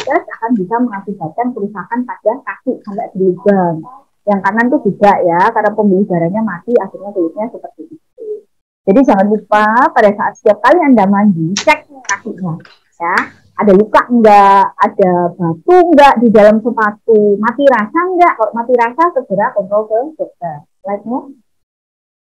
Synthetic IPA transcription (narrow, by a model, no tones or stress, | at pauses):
kaɾasakanbisaməŋasib̥at͡ʃ̪aŋpəɾusakanpad̥akakɪʔsampaʔb̥ərlubaŋ | jaŋkanant̪ud͡ʒuɡaʔjakaɾapəmbilɪhɡ̥aɾaɲamat̪iaxirɲat̪ulusɲasəpərt̪ipit̪u | d͡ʒ̥adid͡ʒaŋanlupapadasaʔa̰t̪̚sə̥t̪iap̚kaliəndaʔmaɲd͡ʒit͡ʃɛk̚kakɪʔɲa | ja | ʔadalukaʔŋɡaadab̥at̪uŋɡaʔdidalamsəpat̪umat̪iɾasaŋɡaʔkaloʔmat̪iɾasakəɡ̥əɾakɔnt̪ɾɔlkəɡ̥əd̪a | laik̪̚ɲa